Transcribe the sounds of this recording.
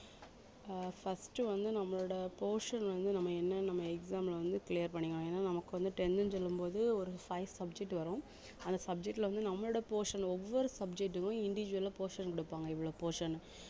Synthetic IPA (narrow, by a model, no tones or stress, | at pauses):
fɐsʈːɯʋɐnd̪ɯnɐmːɐɭɔɽɐpoːʂɐnʋɐnd̪ɯnɐmːɐɛnːɐnɐmːɐɛksaːmlʋɐnd̪ɯklijɐɾpɐɳːɪŋɡɐɳõeːnːaːnɐmɐkːɯʋɐnd̪ɯʈɛndɯnsɔlːɯmpoːðɯɔɾɯfɐɪʋsɐb̚d͡ʒɛk̚ʈːʋɐɾõː | ɐnd̪ɐsɐb̚d͡ʒɛk̚ʈːlʋɐnd̪ɯnɐmːɐɭɔːɽɐpoːʂɐnɔʋːɔɾɯsɐb̚d͡ʒɛk̚ʈːɯkʊ̃ɪɳɖɪʋɪd͡ʒʋɐlaːpoːʂɐnkɔɽɯpːaːŋɡɐɪʋːɯɭoːpoːʂɐn